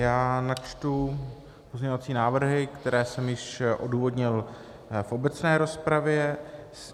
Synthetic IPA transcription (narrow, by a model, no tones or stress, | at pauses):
jaːnat͡ʃt̪u | po̞zɲɛɲovat͡siːnaːvr̩ɦɪkt̪ɛɾɛːsɛmjɪʃʔo̞duːvo̞dɲɪl | fʔo̞bɛt͡snɛːɾo̞spɾavjɛs